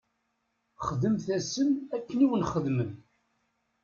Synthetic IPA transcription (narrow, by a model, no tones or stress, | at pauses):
χðəmθæsəmækːəniwənχəðmən